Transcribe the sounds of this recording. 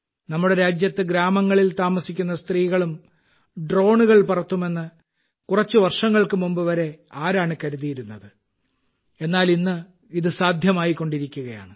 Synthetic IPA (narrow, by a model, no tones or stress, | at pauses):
nɐmːuɽe̞ɾaːd͡ʑjɐt̪ːɨɡɾaːmɐŋːɐɭilt̪aːmɐsikʲːunːɐst̪riːɣɐɭum | ɖro̞ːɳuɣɐɭpurɐt̪ːume̞nːɨ | kurɐt͡ɕːɨʋɐrʂɐŋːɐɭkɨmumbɨʋɐɾe̞aːɾaːɳɨkɐɾuðijiɾunːɐðɨ | e̞nːaːlinːɨ | iðɨsaːd̪ʱjɐmaːjikːo̞ɳɖiɾikʲːuɣɐja̰ːɳɨ